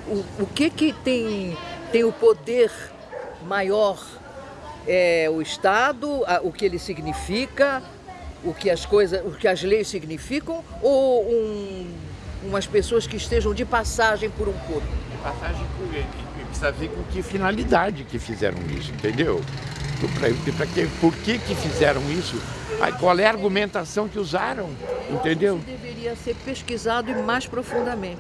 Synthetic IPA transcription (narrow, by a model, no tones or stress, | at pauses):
ʊʊkɪkɪt̪ẽj̃t̪ẽj̃ʊpod̪eɾ | majɔɾ | ɛʊɪst̪ad̪ʊɐʔʊkɪelɪsiɡnifikɐ | ʊkɪɐskojzɐsʊkɪɐzlejssiɡnifikɐ̃w̃ | oũ | ũmɐspesoɐskɪːst̪eʒɐ̃w̃d͡ʒɪpasaʒẽj̃poɾũkoɾpʊd͡ʒɪpasaʒẽj̃poe | epsavekõkɪfinalid̪ad͡ʒɪkɪfizɛ̰ɾɐ̰̃w̃ḭsʊẽnt̪ẽd̪ewopɾɐ̰et̪epɾɐkepoɾkekɪfizɛɾɐ̃w̃isʊa̰kwalɛaɾɡumẽnt̪asɐ̃w̃kɪuzaɾɐ̃w̃ẽnt̪ẽnd̪ewd̪eveɾiɐseɾpeskizad̪ʊɪmajspɾofũnd̪ɐmẽnt͡ʃɪ